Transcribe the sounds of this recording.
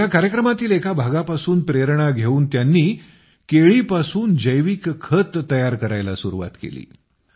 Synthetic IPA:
jakaɾjəkɾəmat̪iːlekabʱaɡapasuːnpɾeəɾɳ̃aɡʱeuːnt̪janːiː | keɭiːpasuːnd͡ʑəjʋikkʰːət̪ːəjaɾkəɾajlasuɾuʋa̰t̪kḛlḭː

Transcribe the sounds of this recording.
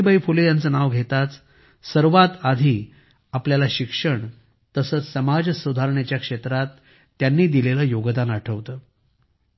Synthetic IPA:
bəifulejant͡səːnaʋɡʱet̪at͡s | səɾʋat̪ad̪ʱiː | apljalaɕikʂəɳ | t̪əsəːt͡ssəmad͡zsud̪ʱaɾɳjet͡ɕjakʂet̪ɾat̪ː | janːiːd̪ileləːjoɡd̪anaʈʰəʋt̪əː

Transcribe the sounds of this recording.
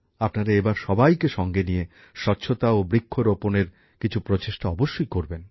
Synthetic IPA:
apnaɾaebaɾʃɔbajkeʃɔŋɡenije | ʃɔɾt͡ɕʰot̪aobɾikʰːoɾoponeɾ | kit͡ɕʰupɾot͡ɕeʃʈaɔboʃːojkoɾben

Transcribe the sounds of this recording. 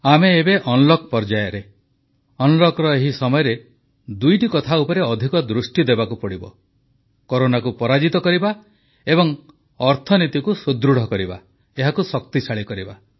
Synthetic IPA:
ameːbeʔɔnlɔk̚pɔɾd͡ʒajɔɾe | ɔnlɔkɾɔeɦisɔmɔjɔɾe | d̪ujʈikɔt̪ʰaupɔɾeɔd̪ʱikɔd̪ɾusʈid̪ebakupɔɽibɔ̰ | koɾonakupɔɾad͡ʒit̪ɔkɔɾiba | ebɔŋ | ɔɾt̪ʰɔnit̪ikusud̪ɾuɽ̤ɔkɔɾiba̰ | eɦakusɔk̚t̪it͡ʃʰaɭikɔɾiba

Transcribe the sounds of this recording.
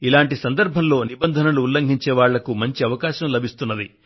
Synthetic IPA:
ilaːɳʈisɐnd̪ɐɾbʱɐnlo̞ːnibɐnd̪ʱɐnɐluːlːɐŋɡʱiɲt͡ʃɛːʋaːɭːɐkumɐɲt͡ʃiɐʋɐkaːʃɐmlɐbʱist̪unːɐd̪ḭ

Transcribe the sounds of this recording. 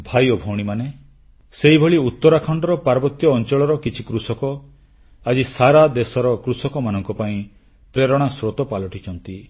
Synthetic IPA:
bʱajɔbʱɔwɽ̃imane | seɦibʱɔɭiut̪ːɔɾakʰɔɳɖɔɾɔpaɾbɔt̪jɔːnt͡ʃɔɭɔɾɔkit͡ʃʰi̥kɾusɔkɔ | ad͡ʒisaɾad̪esɔɾɔkɾusɔkɔmanɔŋkɔpaĩ | pɾeɾɔɽ̃asɾot̪ɔpalɔʈʰit͡ʃʰɔnt̪i

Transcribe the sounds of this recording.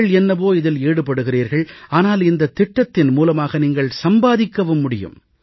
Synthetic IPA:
ɭɛnːɐboːɪðɪleːɽɯpːɐɽɯɣɪriːɾɣɐɭaːnaːlɪnd̪ɐt̪ːɪʈːɐt̪ːɪnmuːlɐmaːɣɐniːŋɡɐɭsɐmbaːðɪkːɐʋɯmːʊɽɪjɯ̰m

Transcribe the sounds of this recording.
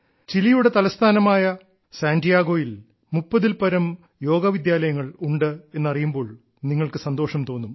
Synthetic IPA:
t͡ɕilijuɽe̞t̪ɐlɐst̪ʰaːnɐmaːjɐ | saːndijaːɡo̞ːjil | mupːɐðilpɐɾɐm | jo̞ːɡɐʋid̪jaːlɐjɐŋːɐɭuɳɖɨe̞nːɐrijumbo̞ːɭ | niŋːɐɭkɨsɐnd̪o̞ːʂɐmt̪o̞ːnːum

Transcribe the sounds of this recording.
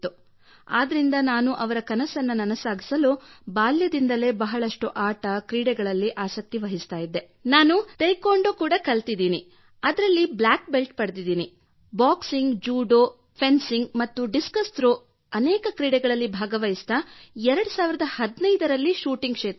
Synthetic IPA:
t̪ːu | a̰ːd̪ɐɾind̪ɐnaːnuʔɐʋɐɾɐkɐnɐsɐnːɐnɐnɐsaːɡisɐlubaːljɐd̪ind̪ɐle̞ːbɐɦɐɭɐʂʈuʔaːʈɐkɾiːɽɛɡɐɭɐlːiʔaːsɐk̚t̪iʋɐɦist̪aːjid̪ːe | naːnut̪ejkoːɳɖoːkuːɽɐkɐlt̪id̪iːni | ɐd̪ɐɾɐlːiblaːk̚belʈ̚pɐɽd̪id̪iːni | baːksiŋɡd͡ʒuːɖoː | pʰensiŋɡmɐt̪ːuɖiskɐst̪ɾo | ɐnɛːkɐkɾiːɽɛɡɐɭɐlːibʱaːɡɐʋɐjist̪aɛɾɐɽusaːʋiɾɐd̪ɐhɐd̪nɐjd̪ɐɾɐlːiʃuːʈiŋɡkʂɛːt̪

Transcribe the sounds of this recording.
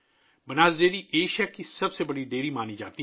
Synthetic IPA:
bənaːzd̪eːɾiːʔeːʃaːkisəbseːbəɽiːɖeːɾiːmaːniːd͡ʒa̰ːt̪iː

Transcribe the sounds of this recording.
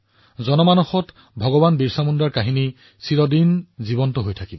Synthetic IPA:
zɔnɔmanɔxɔt | bʱɔɡɔbanbiɹsamundɹaɹkaɦini | silɔdinzibɔntɔɦojtʰakibɔ

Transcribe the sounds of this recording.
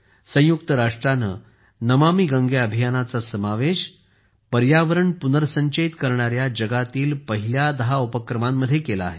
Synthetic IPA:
sə̃j̃juk̚t̪əɾaʂʈɾanə̰ | nəmamiːɡə̃ŋɡeəbʱijanat͡sasəmaʋeɕ | pəɾjaʋəɾəɳpunəɾəsə̃ɲt͡ɕəit̪kəɾɳ̃aɾjad͡ʑəɡat̪iːlpəɦiljad̪əɦaupəkɾəmamːəd̪ʱːjekela̰ːɦe

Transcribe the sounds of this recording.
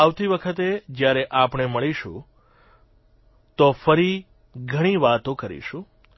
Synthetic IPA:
aʋt̪iʋəkʰət̪ed͡ʒjaɾeʔapɳ̃eməɭiʃṵ̃ | t̪ofəɾi | ɡʱəɽ̃iʋat̪õkəɾḭʃũ

